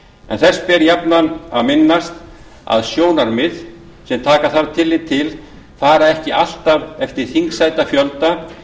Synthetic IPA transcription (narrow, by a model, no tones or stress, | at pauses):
ɛ̰nθɛr̥spɛɾjapnanaðmɪnːast̪ | a̰ðsjoːwnaɾmɪð | sɛmt̪ʰaːkaθaɾt̪ʰɪlːɪt̪ʰɪl | faːɾaɛhcɪal̥t̪avɛft̪ɪɾ̥θiŋksajt̪afjœlt̪a